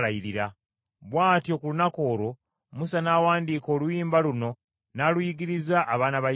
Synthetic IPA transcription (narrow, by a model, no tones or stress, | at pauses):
lajiɾiɾa | βwaːtjo̞ːkulunako̞ːɾo̞ | musanaːwaːndiːko̞ːlujiːmbaluno̞ | nalujiɡiɾizaʔːβaːnaβa